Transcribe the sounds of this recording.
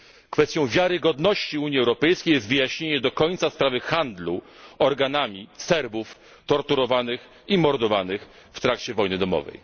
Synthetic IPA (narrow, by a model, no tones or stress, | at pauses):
kfɛst̪jɔ̃w̃vʲjaɾɘɡɔd̪nɔɕt͡ɕiuɲiɛwɾɔpɛjskʲejɛst̪vɘjaɕɲeɲɛd̪ɔkɔɲt̪saspɾavɘxand̪luɔɾɡanamʲisɛɾbuf | t̪ɔɾt̪uɾɔvanɘx | imɔɾd̪ɔvanɘx | ft̪ɾakt͡ɕɛvɔjnɘd̪ɔmɔ̰vɛ̰j